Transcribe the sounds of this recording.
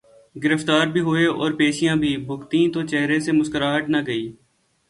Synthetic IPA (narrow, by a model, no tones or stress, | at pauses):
ɡɪɾəft̪aːɾbʱiɦʊeɔ̰ːɾpeːʃijãbʱibʱʊkt̪ĩt̪ot͡ʃɛɦɾesemʊskəɾaːɦəʈnaɡəiː